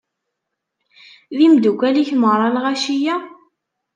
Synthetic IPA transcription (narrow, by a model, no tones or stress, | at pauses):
ðimd̪ukʷːæliçmʁɾˤɑlʁaʃijæ